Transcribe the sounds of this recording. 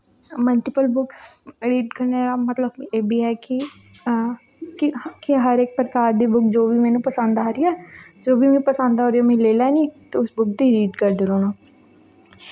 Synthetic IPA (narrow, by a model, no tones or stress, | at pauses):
məlʈɪpəlbʊksɾiːʈkəɾneːɾaːmət̪ləbeːbiːɦɛːkɪ | kɪkiɦəɾeːk̚pɾəkaːɾd̪iːbʊkd͡ʒoːbiːmɛːnũːpəsə̃nd̪aːɾiːɛːd͡ʒoːbiːmɛ̃ːpəsə̃nd̪ɦoːɾijaːmɛ̃leːlɛːnĩːt̪eːʊsbʊk̚d̪iːɾiːʈkəɾd̪ɪɾoːnãː